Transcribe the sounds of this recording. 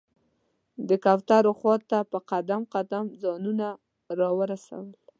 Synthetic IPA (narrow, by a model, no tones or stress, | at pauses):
d̪əkaft̪aɾoxwɑt̪ːapəqad̪amqad̪amzɑnuna | ɾɑwəɾasa̰wəl